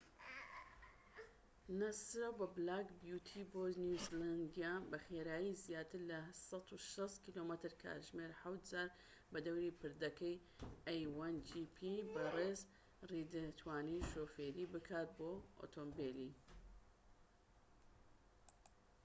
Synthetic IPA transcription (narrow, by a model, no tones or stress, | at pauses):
nɐsɾabɐblaːkbjut̪ʰiboːnuzland̪ijabɐxeːɾaːjizjaːt̪ʰɨɾlɐsɑt̪uʃɐst̪kiloːmɐt̪ɨɾkʰa̰ʒmeɾħawt̪̚zaːɾ | bɐd̪ɐwɾipɨɾd̪ɐkɐj | ɐjwand͡ʒipʰibɐrez | rid̪ɨt̪ʰwaːniʃoːfeːɾiːbɨkʰaːt̪̚boo̰t̪ʰombeli